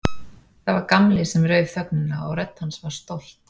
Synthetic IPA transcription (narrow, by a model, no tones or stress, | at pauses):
θavaɾkamlɪsɛmrœːɥðθœp̚nʏnaɔɣrɾɛt̪n̥hansvaɾ̥st̪owl̥t̪